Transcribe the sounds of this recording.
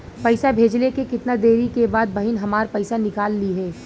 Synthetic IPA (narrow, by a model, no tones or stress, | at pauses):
pɐɪsabʱeːd͡ʒlekekɪt̪nad̪eːɾikebaːd̪̚bɐɦɪnɦɐmaːɾpɐɪsanɪkaːlːiɦɛː